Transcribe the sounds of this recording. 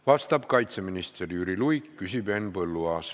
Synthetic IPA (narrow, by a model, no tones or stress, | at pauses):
vɑst̪ɑb̥kɑjt̪se̞minist̪erjyɾilujkːysʲibe̞nːpɤlːuɑːs